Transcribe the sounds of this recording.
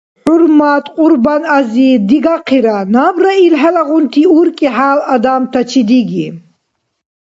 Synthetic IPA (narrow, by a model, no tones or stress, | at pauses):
ħuɾmat̪ʼqʼuɾbanazid̪iɡaqʰiɾanabɾailɦɛlaɣunt̪ʰiuɾkʼiħaːlad̪amt̪ʰat͡ʃʰid̪iɡi